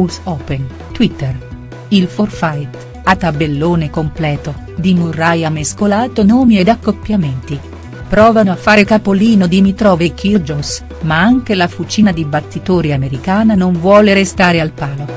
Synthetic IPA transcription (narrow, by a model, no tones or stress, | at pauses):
usɔːpen | t̪wit̪ːer | ilforfajt̪ | at̪ːabelːoːnekomplɛːt̪o | d̪imurːajameskolaːt̪onɔːmied̪akːopːjament̪i | pɾɔːvanoafːaːɾekapoliːnod̪imit̪ɾɔːvekʰird͡ʒos | maaŋk̟elafut͡ʃiːnad̪ibat̪ːit̪oːɾiameɾikaːnanoɱvwɔːleɾest̪aːɾealpaːlo